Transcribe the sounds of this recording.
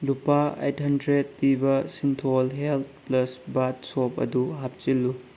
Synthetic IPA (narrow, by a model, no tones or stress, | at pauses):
lupaḛjthɐndɾed̚pibɐsintʰolɦelt̪̚ʰplɐsbat̚sopɐ̰duɦap̚t͡ʃilːu